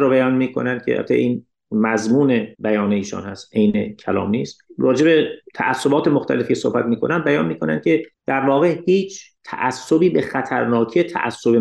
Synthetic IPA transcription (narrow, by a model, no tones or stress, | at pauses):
ɾoːbæjɒːnmiːkʰo̰nænd̪̥kʰḛhæ̰t̪ʰːḛʔiːn | mæzmuːnebæjɒːneiːʃɒ̰ːnhæst̪ʔejnḛcʰælɒ̰ːmnḭːst̪rɒːd͡ʒe̞bet̪ʰæʔæsːobɒːt̪emoxt̪ʰæ̰le̞fcʰesohbæt̪̚miːkʰo̞̰næmbæjɒːnmiːkʰo̞nænd̪̚ʲʰe̞d̪̥æɾvɒːɣehiːt͡ʃʰt̪ʰæ̰ʔæsːobiːbexæt̪ʰæɾnɒːkʰiet̪ʰæ̰ʔæ̰sːobe